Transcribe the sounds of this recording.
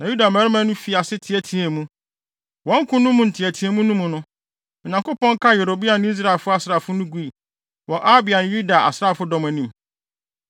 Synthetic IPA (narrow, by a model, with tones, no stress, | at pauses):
nã˨ju˦da˨mæ̃˨˦ɾɪ˦mã˦nʊ̃˦fi˨a˨sɪ˦tʰɪ˨æ˨tʰĩ˨ɛ˨mũ˦ | wɔ̃˦ŋ̩˦kʰʊ̃˦nʊ̃˦mũ˨n̩˨tʰɪ˨æ˨tʰi˨e˨mũ˦nũ˦mʊ̃˨nʊ̃˦ | mɪ̃˨ɲ˨ã˨ŋkʊ˦pɔ̃˦ŋ˦kʰa˦je˨ɾo˨bi˦a˨nʊ̃˦i˦s̬ɾa˨e˨lfʊ˦a˨sɾa˨fʊ˦nʊ̃˦ɡu˦i˨ | wɔ˨ʔa˦bɪ˨a˨nʊ̃˨ju˦da˨ʔa̰˨sɾa˦˨fʊ˦dɔ̃˦m˨æ˨nĩ˨m